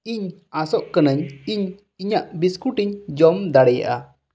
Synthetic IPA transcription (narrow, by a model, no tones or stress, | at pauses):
iɲ | asɔʔkənəɲiɲ | iɲaʔbiskuʈiɲd͡ʒɔmd̪aɽɛja̰ʔa̰